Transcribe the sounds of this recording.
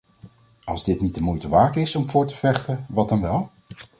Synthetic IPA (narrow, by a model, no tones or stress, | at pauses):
ɑlˠzdɪtnit̚dəmujtəʋaːkɪsɔmvʊːɹtəv̥ɛχtəʋɑdɑnʋɛlˠ